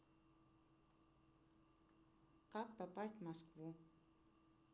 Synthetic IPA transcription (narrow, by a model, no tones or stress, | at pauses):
kak̚papasʲtʲmaskvu